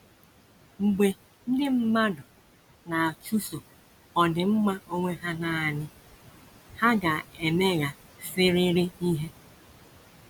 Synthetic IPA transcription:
ŋ͡m̩˨ɡ͡be˨ | n̩˦dɪ˦m̩˦ma˦dʊ˨ | na˨a˨t͡ʃu˦so˨ | ɔ˨dɪ˨ŋ͡m̩˦ma˦o˦ŋʷe˦ɦa˦na˨a˨nɪ˦ | ha˦ɡa˨e˨me˦ɣa˦ | sɪ˦ɾɪ˦ɾɪ˦i˦ɦe˦

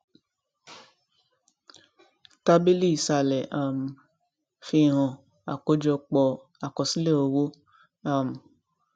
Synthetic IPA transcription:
ka˦bi˦li˦˨sa˧˨lɛ˨a˨m̩˨ | fi˧˦˨ɾ̃ɔ̃˨ | a̰˨ko˧˦d͡ʒɔ˧k͡pɔ˧ | a˨kɔ˨si˦le˦˨o˧wo˦ | a˦˨m˨

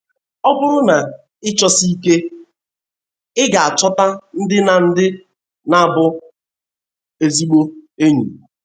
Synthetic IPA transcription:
ɔ˦bʊ˦ɾʊ˦na˨ | ɪ˦t͡ʃɔ˦si˦i˦ke˦ | ɪ˦ɡa˨a˨t͡ʃɔ˦ta˦n̩˦dɪ˦na˨n̩˦dɪ˦ | na˨a˨bʊ˦ | e˦˨zi˦ɡ͡bo˦e˦ɲṵ˨

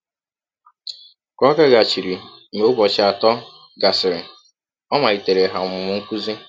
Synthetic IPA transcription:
kɔ˦ɡa˦ɡa˨t͡ʃi˨ɾi˨me˨˦ʊ˦bɔ˨t͡ʃɪ˦a˨tɔ˦ | ɡa˨sɪ˨ɾɪ˨ | ɔ˦ma˨i˨te˨ɾe˨ɦa˨mʊ˨mʊ˨ŋ̩˦kʷu˦zi˦

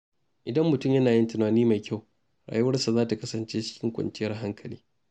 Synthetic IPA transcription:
ʔɪ˨dɐ˦mːʊ˨tʊ˦˨mjɐ˦naː˨jɪ˦ntɪ˨naː˨niː˦ma˨jkʲa˦˨w | ɽa̰ː˨ju˦wɐ˦rsa˨zaː˦ta˨kɐ˦sɐ˨nt͡ʃeː˦t͡ʃɪ̥˦kʲɪ˦ŋkʷɐ̰˨nt͡ʃɪ˦jɐ˦rɦa˦ŋkʰɐ˨liː˦

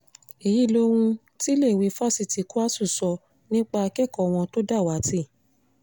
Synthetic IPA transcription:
i˨ji˨˦˨lo˦ɾ̃ũ˧ | ti˦le˦˨wi˨˦fa˦˨si˧˨ti˨˦ku˦a˦su˦˨sɔ˧ | nĩ˦k͡pa˧a˧kɛ˦˨kɔ˨w̃ɔ̃˧to˦da˦˨wa˨˦ti˦˨

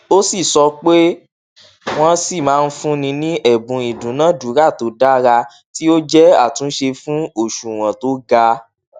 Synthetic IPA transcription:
o˦si˦˨sɔ˧k͡pe˦ | w̃ɔ̃˧si˦˨mãː˨˦˧n̩˦fũ˦nĩ˧nĩ˦ʔɛ˦˨bũ˨˧i˨dũ˨˦nãː˨˦˨dũ˨˦ɾa˦˨to˨˦da˦ɾa˧ | ti˦o˦d͡ʒɛ˦a˦˨tũ˨˦ʃe˧fũ˦o˦˨ʃu˨w̃ɔ̃˨to˦ɡa˧

